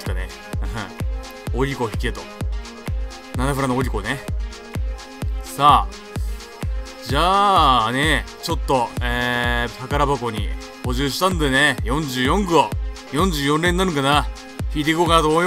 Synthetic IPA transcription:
i̥k̪anẽ | oɾʲiko̞çi̥kʲiet̪o | nanaɸɯ̟ɾanooɾʲiko̞ne | saː | d͡ʑaːnet͡ɕo̞t̪ːo̞eːpakaɾabako̞ɲ̟ḭ | ho̞ʑɨːɕi̥t̪ãnd̪e̞nejõ̞ɲ̟d͡ʑɨːjõ̞ŋɡojõ̞ɲ̟d͡ʑɨːjõ̞nɾẽ̞nːaɾɯ̟kana | çiːt̪ekikoːkad̪oː

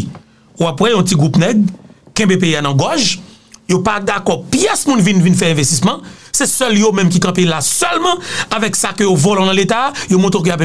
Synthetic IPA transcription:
uapwɛjɔ̃tiɡʁupnɛɡ̚ | kɛ̃bep̬eianɐ̃ɡɔʒ | jopad̪akɔpjɛsmũnvinvinfɛɛ̃vest̪ismɐ̃sɛsœljomɛ̃mk̬ikãpelasœlmãavɛksakøjovolɔ̃nãlet̪ajomɔ̃t̪ẽk̬əjapɛ

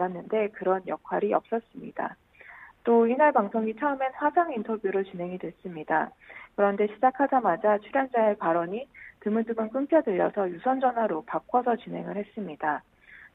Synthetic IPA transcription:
anːɯnde̞kɯɾʌnjʌkʰwaɾiʌp̚s͈ʌs͈ɯmɲida̰ | t͈oinaɭpaŋsʰoŋit͡ɕʰaɯme̞nɸwasʰaŋintʰʌbjuɾɯɭt͡ɕinɦe̞ŋidwe̞s͈ɯmɲida | kɯɾʌnde̞ɕʰid͡ʑakʰadamad͡ʑat͡ɕʰuɾjaŋd͡ʑaepaɾʌɲitɯmɯndɯmɯnk͈ɯmpʰjʌdɯʎːʌsʰʌjusʰʌnd͡ʑʌnɦwaɾopap̚k͈ʌsʰʌt͡ɕinɦe̞ŋɯɭhe̞s͈ɯmɲida

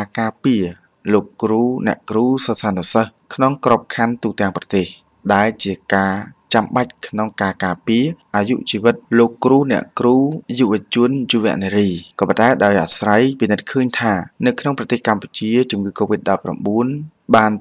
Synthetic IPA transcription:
akaːpiə | loːkːruːnɛ̆əʔkruːsəsaːnuəsəhkʰnoŋkrop̚kʰant̪uːt̪ɛ̆əŋprɑt̪eːh | ɗaɛlt͡ɕiəkaːt͡ɕamɓac̚kʰnoŋkaːkaːpiəʔaːjṵʔt͡ɕiːʋɨt̪̚loːkːruːnɛ̆əʔkruːjuʋɨ̆ət͡ɕuənjuʋɛ̆əʔneɾiːkɔːpənt̪aɛɗaɔjʔa̰srajpinɨt̪̚kʰəːɲt̪ʰaːnɨwkʰnoŋprɑt̪eːhkamput͡ɕiət͡ɕumŋɨːkoːʋit̪̚ɗɑpːra̰mɓuən | ɓaːn

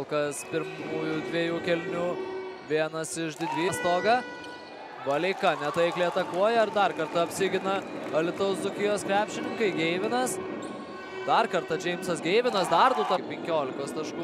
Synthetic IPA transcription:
lˠkɐspʲɪɾmuːjud̪ʲʋʲeɛjuːkʲɛlʲnʲuːʋʲiɛnɐsɪʃd̪ʲɪd̪ʲʋʲiːst̪oːɡɐ | bɐlʲɛɪkɐnʲɛt̪ɐɪklʲiɛt̪ɐkuɔjɛɐɾd̪ɐrkɐɾt̪ɐɐpʲsʲɪːɡʲɪnɐɐlʲɪt̪oʊszʊkʲɪjoːskɾʲæːpʲʃʲɪnʲɪŋkɐɪɡʲɛɪʋʲɪnɐs | d̪ɐrkɐɾt̪ɐd͡ʒʲɛɪmsɐsɡʲɛɪʋʲɪnɐsd̪ɐrd̪ʊt̪ɐpʲɛŋʲkʲoːlʲɪkoːst̪ɐʃkuː

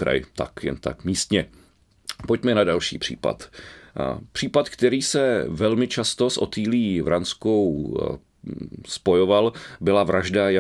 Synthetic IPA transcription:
ɾa̰jɪ̰t̪a̰kjɛ̰nt̪a̰kmiːst̪ɲɛ | pocmɛnadalʃḭːpr̥ḭːpa̰t̪ | pr̝̥iːpat̪kt̪ɛɾiːsɛvɛlmɪt͡ʃast̪o̞sʔo̞̰t̪iːliːvɾansko̞w | spo̞jo̞valbɪlavɾaʒdaja

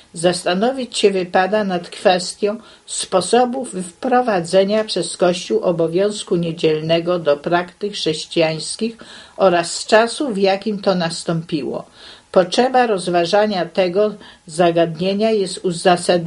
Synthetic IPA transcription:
zast̪anɔvʲit͡ɕɕɛvɘpad̪anat̪kfɛst̪ʲjɔ̃w̃ | spɔsɔbufːpɾɔvad̪zɛɲapʂɛskɔɕt͡ɕuwʔɔbɔvʲjɔ̃w̃skuɲed͡ʑɛlnɛɡɔd̪ɔpɾakt̪ɘxʂɛɕt͡ɕijaj̃skʲixɔɾasːt͡ʂasuvjakʲimt̪ɔnast̪ɔmpʲiwɔ̰pɔtʂɛbaɾɔzvaʐaɲat̪ɛɡɔzaɡad̪ɲeɲajɛst̪uzasad̪

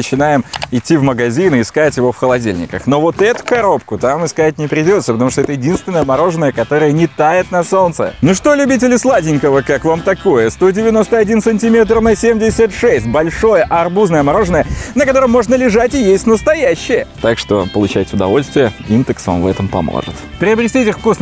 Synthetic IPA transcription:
nət͡ɕɪnajɪmɪtʲːivməɡɐzʲinɨɪskatʲjɪvo̞fxəlˠɐdʲilʲnʲɪ̰kəxno̞vo̞t̪ɛt̪ʊ̥kɐɾo̞pkʊt̪amɨskat̚ʲnʲɪpɾʲɪdʲo̞t̪səpət̪ɐmuʂt̪oɛt̪əjɪdʲinst̪vʲɪnːəjəmɐɾo̞ʐɨnəjəkɐt̪o̞ɾəjənʲɪt̪ajɪt̪nɐso̞nt̪sə̰noʂt̪o̞lʲʉbʲit̬ʲɪlʲɪslˠadʲɪnʲkəvəkakvamt̪ɐko̞jəst̪o̞dʲɪvʲɪno̞st̪əɐdʲinsɨnʲtʲɪmʲe̞t̪rnɐsʲemdʲɪsʲət̪ʂɛsʲt̚ʲbɐlʲʂo̞jəʔɐrbuznəjəmɐɾo̞ʐɨnəjənəkɐt̪o̞ɾəmːo̞ʐnəlʲɪʐatʲɪjesʲt̪ʲnəst̪ɐjæɕːɪjət̪akʂt̪o̞̰pəlˠʊt͡ɕæ̰ɪtʲʊd̪ɐ̰vo̞lʲst̪vʲɪjəind̪ɨksva̰mvɛ̰t̪əmpɐ̰mo̰ʐɨ̰t̪pɾʲɪɐbɾʲɪsʲtʲitʲɪxfkus

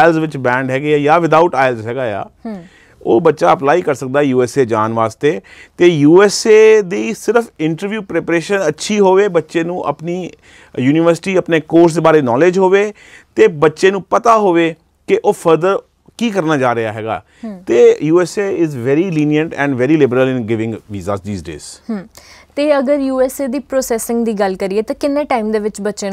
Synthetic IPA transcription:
aːɪlzʋɪt͡ʃbɛ̃ːɳɖɦɛːɡeːɛːjaːʋɪd̪aʊʈaːɪlzɦɛːɡaːja̰ː | oːbətːʃaːəplaːiːkəɾsək̚d̪aːɛjuːɛːseːd͡ʒaːnʋaːst̪eː | t̪eːjuːɛːseːd̪eiːsɪɾəfʰɪ̃ɳʈəɾʋjuːpɾɛːpɾeːʃənətːʃʰiːɦoːʋeːbətːʃeːnũːʔə̰pniː | juːnɪʋəɾsɪ̥ʈiːəpneːkoːɾs̬d̪eːbaːɾeːnɔːled͡ʒɦoːʋeː | t̪eːbətːʃẽːnũːpət̪aːɦoːʋeː | kɪʔoːpʰəɾd̪əɾ | kiːkəɾnaːd͡ʒaːɾɪaːɦɛ̰ːɡa̰ː | t̪eːjuːɛːseːɪzʋɛːɾiːliːnijəɳʈɛ̰̃ːɳɖʋɛːɾiːlɪbəɾəlɪ̃nɡɪʋɪ̃ŋɡʋiːza̰ːsd̪iːzɖḛːz̥hːt̪eːəɡəɾjuːɛːseːd̪iːpɾoːsɛːsɪ̃ŋɡd̪iːɡəlkəɾieːt̪ãːkɪnːeːʈaːimd̪eːʋɪt͡ʃbətːʃẽː

